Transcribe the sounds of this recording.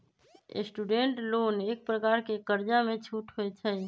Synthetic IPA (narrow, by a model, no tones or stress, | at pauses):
ḛsʈuɖeɳʈloːneːk̚pɾəkaːɾkekəɾd͡ʒamẽt͡ʃʰuːʈɦoet͡ʃʰə